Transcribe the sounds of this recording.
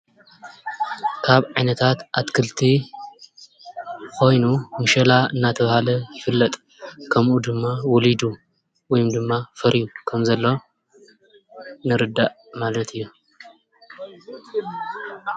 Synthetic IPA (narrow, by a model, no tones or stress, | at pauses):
kʰaβʕajnɐt̪ʰat̪ʔat̪kʰɨlt̪ʰi | kʰo̞jnumɨʃɐlaɨnːat̪ʰɐβahalɐjɪfɨlːɐt̪ʼ | kʰɐmʔud̪ɨmːawɔlid̪u | wɔjumd̪ɨmːafɐɾijukʰɐmzɐlːo̞ | nɨɾɨd̪ːaʔ | malɐt̪ʰɨjːu